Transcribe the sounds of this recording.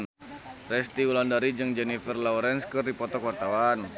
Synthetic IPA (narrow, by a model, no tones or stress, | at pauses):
n | rɛst̪iulandaɾid͡ʒɨŋd͡ʒɛnifərlɔwɾɛnskɨrdipɔt̪ɔkwart̪awan